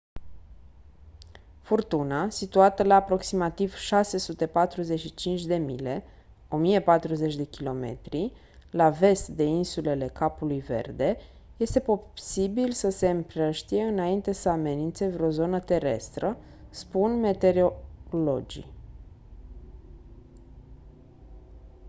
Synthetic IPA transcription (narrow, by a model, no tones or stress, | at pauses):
furt̪unasit̪uat̪əlaːpɾo̞ksimat̪iv̥ʃase̞sut̪e̞pat̪ɾuze̞ʃit͡ʃint͡ʃʲd̪e̞mile̞ | o̞mije̞pat̪ɾuze̞t͡ʃʲd̪e̞kʲilo̞me̞̰t̪ɾi | lave̞st̪d̪e̞insule̞le̞kapulujve̞̰rd̪e̞ | je̞st̪e̞po̞sibilsəse̞ɨmpɾəʃt̪ije̞ɨnaint̪e̞səame̞nint̪se̞vɾo̞zo̞nət̪e̞ɾe̞̰st̪ɾə | spunme̞t̪e̞ɾolo̞d͡ʒḭ